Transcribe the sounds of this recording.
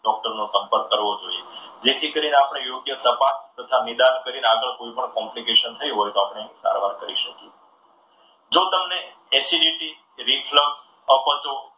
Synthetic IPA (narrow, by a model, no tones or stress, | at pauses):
ɖɔk̚ʈəɾnosəmpəɾkːəɾʋod͡ʒoied͡ʒet̪ʰikəɾineapɽ̃ejoɡjət̪əpast̪ət̪ʰamid̪ankəɾineaɡəɭkoipəɳkɔ̃mplikeʃənt̪ʰəiɦojt̪oapɽ̃eəɦĩsa̰ɾʋaɾkəɾḭʃəki | d͡ʒot̪əmne | esiɖiʈi | ɾifʰləks | əpət͡ʃo